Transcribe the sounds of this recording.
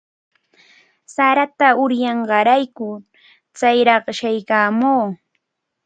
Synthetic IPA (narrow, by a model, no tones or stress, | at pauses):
saɾat̪aʊɾjɑɴɢɑɾajkʊ | t͡sajɾɑχʃajkaːmoː